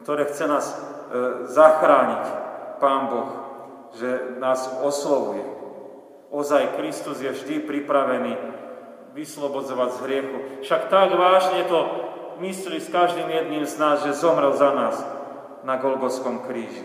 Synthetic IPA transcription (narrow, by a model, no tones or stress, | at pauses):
kt̪ɔɾɛːxt͡sɛnaːz | zaxɾaːɲicpaːnbɔx | ʒɛnaːzɔslɔʋujɛ | ɔzajkɾist̪uzjɛvʒd̪ipɾipɾaʋɛniː | ʋislɔbɔd͡zɔʋaɟzɦɾɪɛxufʃakt̪aɡʋaːʒɲɛt̪ɔmisliskaʒd̪iːmjɛd̪niːmznaːzʒɛzɔmɾɛlzanaːs | naɡɔlɡɔskɔmkɾiːʒi